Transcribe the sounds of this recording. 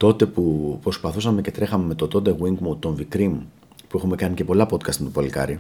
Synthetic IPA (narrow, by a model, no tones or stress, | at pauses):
t̪o̞t̪e̞pupɾo̞spɐθusɐme̞ce̞t̪ɾe̞xɐme̞me̞t̪ot̪o̞t̪e̞ɣwiŋɡmut̪o̞ɱvikɾimu | pue̞xume̞kɐnice̞po̞lɐpo̞t̪̚kɐst̪mt̪opɐlikɐ̰ɾi